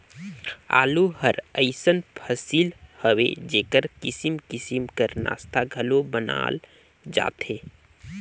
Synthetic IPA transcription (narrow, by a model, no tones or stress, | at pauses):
a̰ːluhəɾəɪsənpʰəsiːlhəwḛd͡ʒeːkəɾkɪsimkɪsimkəɾna̰ːst̪ʰaɡʱəlobəna̰ːl | d͡ʒa̰ːt̪eː